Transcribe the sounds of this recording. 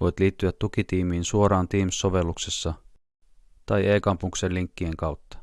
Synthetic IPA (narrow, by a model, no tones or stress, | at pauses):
o̞jt̪liːt̪ːyæt̪ːukit̪iːmiːnsuoɾɑːnt̪iːmsːo̞ʋe̞lːukse̞sːɑ | t̪ɑjʔe̞ːkɑmpuŋkseliŋkːie̞ŋkɑwt̪ːɑ̥